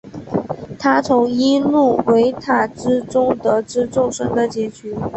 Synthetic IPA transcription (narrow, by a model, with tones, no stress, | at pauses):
t̪ʰa˥t͡sʰʊ˧˥ŋi˥lu˥˩we˧˥ɪt̪ʰa˥˩ʈ͡ʂɻ̩˥ʈ͡ʂʊ˥ŋt̪ɤ˧˥ʈ͡ʂɻ̩˥ʈ͡ʂʊ˥˩ŋʂə˥ŋd̪ə˨t͡ɕjɛ˧˥t͡ɕʰy˧˥